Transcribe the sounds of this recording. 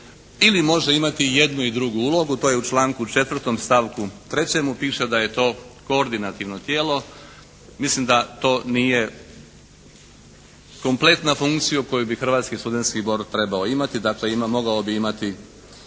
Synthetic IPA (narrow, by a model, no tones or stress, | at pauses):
ilimo̞ʒe̞imat̪ije̞d̪nuid̪ɾuɡuuːlˠo̞ɡut̪oːjeut͡ʃlˠaːŋkut͡ʃe̞t̪ʋr̩t̪o̞mst̪aʋkut̪ɾe̞t͡ɕe̞mupiːʃed̪aje̞t̪o̞ːkooɾd̪inat̪iʋno̞t̪jeːlˠo̞ | mislimd̪at̪o̞ːnije̞ | ko̞mple̞t̪nafuŋkt̪sijuko̞jubixr̩ʋaːt̪skist̪ud̪e̞nt̪skibo̞ɾd̪̚t̪ɾe̞baoimat̪id̪akle̞imamo̞ɡaobiimat̪i